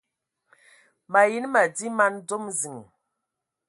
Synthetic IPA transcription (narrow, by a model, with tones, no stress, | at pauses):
ma˨ji˦n˦ma˨di˦ma˦ndo˦mzi˨ŋ˨